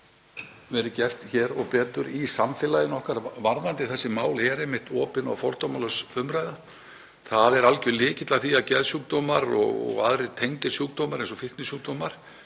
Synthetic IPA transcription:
vɛːɾʏcɛr̥t̪çɛːɾɔɣpɛːt̪ʏɾisamfɪlajðɪnɔhkaɾvaɾðant̪ɪθɛsːɪmaːwlɛɾehmɪht̪ɔːpɪna̰wfɔɾ̥t̪ɔmalœsʏmɾaːjða | θaðɛɾalcʏlɪːcɪt̪laθiaðcɛðsjuk̚d̪ɔːmaɾɔ̰ɣɔ̰ɣa̰ðɾɪt̪ʰejŋt̪ɪ̥sjuːk̚d̪ɔːmaɾejnsɔfɪhk̪nɪsjuk̚d̪̥ɔːmaɾ̥

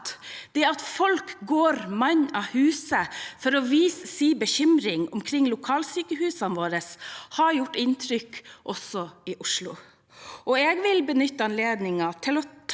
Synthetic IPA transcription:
t̪d̪̥ɛɑt̪fɔlkɡoːɾmɑɲɑhʉːsəfɔɾɔʋiːssiːbəçʏmɾɪŋʊ̰mkʰɾɪŋːlʊkʰɑːlsyːkəhʉːsɑnʋoːɾəshɑɾjʊʈːɪnt̪ʰɾʏkʔɔsɔɪʔʊʂlʊ | ʔɔeːɡʋɪlbənʏt̪ːəɑnleːd̪nɪŋɑt̪ʰɪlɔt̪ʰ

